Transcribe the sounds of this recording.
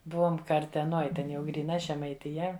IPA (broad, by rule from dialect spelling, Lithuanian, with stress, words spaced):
ˈbʊʋoːm kɐrʲtʲɛˈnoːj ˈtʲɛn jɛʊ ɡrʲiːˈnɐ ʒʲɛmɐɪtʲɪˈjɛ